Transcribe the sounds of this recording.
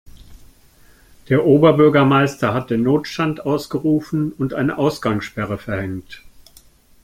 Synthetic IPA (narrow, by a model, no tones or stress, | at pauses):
d̥eːɐʔoːbɐbʏɐɡɐmaɪstɐhat̚d̥eːnːoːtʃtantʔaʊsɡ̥əʁuːfn̩ʊntʔaɪnəʔaʊsɡ̥aŋʃpɛʁ̞əfɛɐhɛŋt